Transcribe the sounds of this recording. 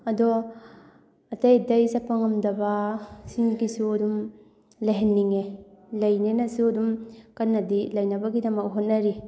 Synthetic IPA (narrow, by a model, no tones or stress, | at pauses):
ɐdo | ɐtɐjdɐjsɐpɐŋɐmdɐbasiŋɡisuɐdum | lɐɦenːiŋelɐjnenɐsuɐdumkɐnːɐdilɐjnɐbɐɡidɐmɐk̚ɦot̚nɐɾi